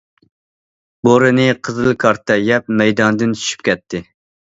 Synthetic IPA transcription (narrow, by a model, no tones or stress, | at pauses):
boɾɨnɨqʰəzɨlˠkʰɑɾt̪ʰːɛjɛp̚mɛjd̪ɑnd̪ɨnt͡ʃ̪ʰy̥ʃy̥p̚kʲɛt̪ʰːɪ